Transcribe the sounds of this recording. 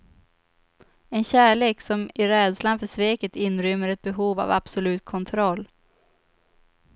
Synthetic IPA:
ɛnɕæːɭeːksɔmɪɾɛːd̪slanfœʂveːkət̪ɪnɾʏmːəɾɛt̪̚bɛɦuːva̰va̰b̥sʊlʉ̟ːt̪̚kʰɔnt̪ʰɾɔlː

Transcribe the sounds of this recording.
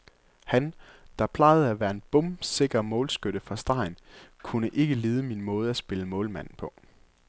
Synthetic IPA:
hæn | d̥ɑ̈pʰlɑ̈ɪð̞̩ˠæʋæːɐe̝nb̥ɔmse̝ɡ̥ɐmɔ̽ːlsɡ̥øɾ̥əfʁɑ̈sd̥ɑ̈ɪnkʰunəʔe̝ɡ̥əle̝ːðˠəminmɔ̽ːð̞̩ˠæsb̥e̝ləmɔ̽ːlmæn̰n̩pʰɒ̽

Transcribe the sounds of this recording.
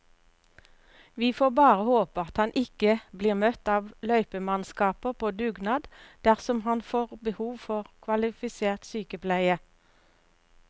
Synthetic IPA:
ʋiːfoːbɑːʁəhoːpəɑt̪hɑnʔɪkəbliːʁmœt̪ɑːʋlœʏpəmɑnskɑːpəpʰoːd̪ʉɡnɑːd̪d̪̥æʁsɔmhɑnfoːʁbəhuːʋfɔʁkʰʋɑlɪfɪseːʁt̪syːkəpʰlæɪə

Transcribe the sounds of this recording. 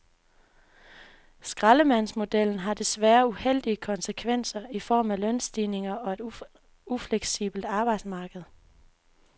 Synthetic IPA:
sɡ̥ʁɑləmæn̰smo̝d̥el̰n̩ɦɑ̈d̥e̝sʋæːɐuhel̰d̥iəkʰɒ̽nsəkʰʋen̰sɐifɒ̰ːmælœnsd̥ine̝ŋɐɒ̽e̝ɾ̥ | ufleɡ̥sḭb̥l̩d̥ɑ̈ːb̥ɑ̈ɪ̰d̥smɑ̈ːɡ̥əð̩ˠ

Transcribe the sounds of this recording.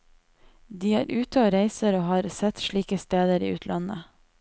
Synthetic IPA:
d̪iːæːɾʔʉːt̪əoːɾæɪsəɾoːhɑːɾsɛt̪ʃɭiːkəst̪eːd̪əɾḭːʉːt̪ʰlʔɑnə

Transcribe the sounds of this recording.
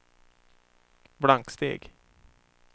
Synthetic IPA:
bɽaŋkst̪ḛːɡ

